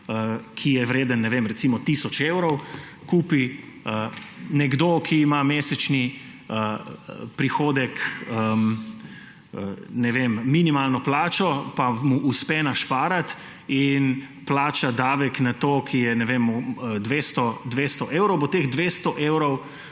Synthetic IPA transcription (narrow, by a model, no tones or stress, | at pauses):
əkʰijɛʋɾeːd̪ənːɛʋemɾɛt̪simɔt̪isɔt͡ʃewɾɔw | kuːpi | ənɛɡd̪okʰiːmameːsɛt͡ʃni | əpɾixoːd̪ɛkəm | ənɛʋemːinimalnɔplaːt͡ʃɔpamuʔuspɛnaʃpaːɾat̪ | in | plaːt͡ʃad̪aːʋɛknat̪oːkʰijɛnɛʋemd̪ʋeːst̪ɔd̪ʋeːst̪ɔʔeːwɾɔwbɔt̪eɣd̪ʋeːst̪ɔʔeːwɾɔw